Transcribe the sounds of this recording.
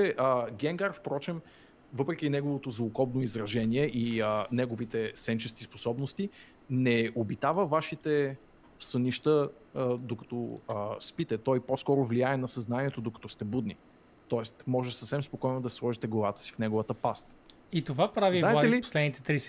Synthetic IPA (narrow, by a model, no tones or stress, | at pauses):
t͡ʃɛʔəɡʲɛŋɡaɾfpɾɔt͡ʃɛm | vɤpɾɛk̟inɛɡovot̪ozvʊkɔbnoizɾɐʒɛniɛʔiənɛɡovit̪ɛsɛnt͡ʃɛsk̪ispo̥sɔbnost̪i | nɛobit̪avəvaʃit̪ɛ | səniʃt̪ə | d̪okɐ̥t̪ɔəspit̪ɛt̪ɔjposkɔɾʊvliaɛnɐsɐznaniɛt̪od̪okɐ̥t̪ɔst̪ɛbud̪nḭ | t̪ɔɛst̪mɔʒɛsəfsɛmspokɔjnod̪ɐsʲslˠɔʒit̪ɛɡovat̪ə̥si̥fnɛɡovət̪əpast̪ | it̪ovapɾaviaɛaɛlipo̥slɛd̪nit̪ɛt̪ɾis